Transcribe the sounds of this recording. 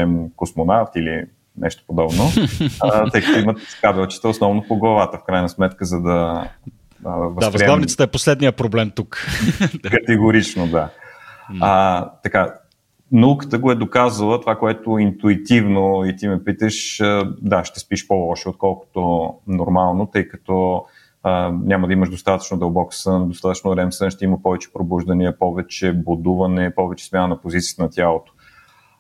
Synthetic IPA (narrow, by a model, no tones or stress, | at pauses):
ɛmkosmonaft̪ilḭ | nʔɛ̰ʃt̪o̥pod̪ɔbno | t̪ɤjkəət̪oimət̪skabɛlˠt͡ʃi̥t̪əosnɔvnopoɡlˠɐvat̪əfkɾajnəsmɛt̪kəzɐd̪ɐ | əvəsavɾiɛlavnisə̥t̪əɛposlɛd̪nijəpɾoblɛmt̪uk | kət̪ɛɡoɾit͡ʃnod̪a | ət̪ɐka | noukə̥t̪əɡoɛd̪okazəlˠət̪ovakoɛt̪oint̪uit̪ivnoit̪imɛpit̪əʃəd̪aʃt̪ɛspiʃpolˠɔʃiot̪̚kɔlˠko̥t̪onoɾmalˠnot̪ɤjkɐt̪ɔ | ənʲamɐd̪ɐiməʒd̪ost̪at̪ə̥t͡ʃnod̪ɐlˠbɔksənd̪ost̪at̪ət͡ʃnoɾɛmsənʃt̪ɛiməpɔvɛt͡ʃɛ̥pɾobuʒd̪ɐniəpɔvɛt͡ʃɛbod̪uvɐnɛpɔvɛt͡ʃɛ̥smʲjanənɐpozit̪sʲiət̪ənɐt̪ʲalˠot̪o̥